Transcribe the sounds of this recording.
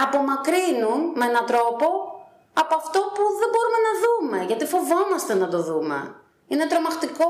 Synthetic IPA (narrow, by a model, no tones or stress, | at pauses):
ɐpo̞mɐkɾinunmeenɐt̪ɾo̞po̞ | ɐpoɐft̪o̞puðe̞bo̞ɾume̞nɐðume̞ʝɐt̪ifo̞vo̞mɐst̪e̞nɐt̪o̞ðumḛ | ine̞t̪ɾo̞mɐxt̪iko̞